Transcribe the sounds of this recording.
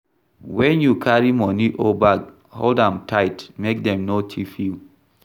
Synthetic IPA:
wɛ̃njukʰaɹimɔniʔobak | holdãmtʰaɪtmek̚dɛ̃mnotʰifil

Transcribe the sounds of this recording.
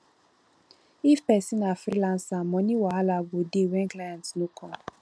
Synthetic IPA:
ifpɛsinafɾilãnsamɔniwaɦalaɡodewɛ̃ŋklaãntnukʰɔ

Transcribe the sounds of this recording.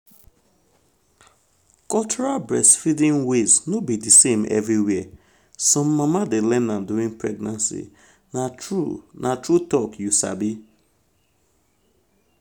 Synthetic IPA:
kɔlt͡ʃɔɹalbɹɛsfidĩnweznobidisemɛ̰vɹiwɛ | sɔ̃mːamadelɛ̃nãmduĩŋpɹɛɡ̚nãnsḭ | naunatɹutɔkjusa̰bi

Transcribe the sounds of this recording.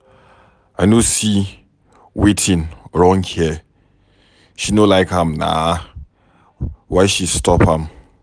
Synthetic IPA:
aɪnosi | wetʰĩnɹɔ̃ŋhiə | ʃinolaɪkãmna̰ | waɪʃistɔphãm

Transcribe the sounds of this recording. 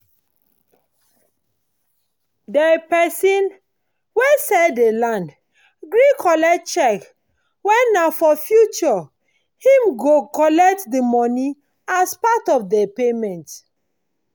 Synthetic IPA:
dɛpɛsĩn | wesɛdelãnd | ɡɹikʰɔlɛkt̚t͡ʃɛk | wɛ̃nnːafɔfjut͡ʃɔ | hĩmɡokɔlɛk̚tdəmɔnĩ | aspatɔfdɛpemɛ̃nt

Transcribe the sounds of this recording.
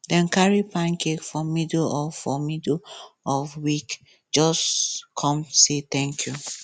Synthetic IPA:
dɛ̃nkaɹipãnkekfɔmidɔfɔmidlɔfwik | d͡ʒɔskʰɔ̃mset̪ɛ̃ŋkʰju

